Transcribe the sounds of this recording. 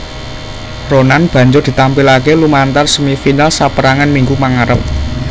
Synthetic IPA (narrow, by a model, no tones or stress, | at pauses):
ronanb̥ä̤ɲd͡ʒʊrd̪̥i̤t̪ampilakelumant̪arsəmifinalsapəɾaŋanmiŋɡumaŋaɾəp̚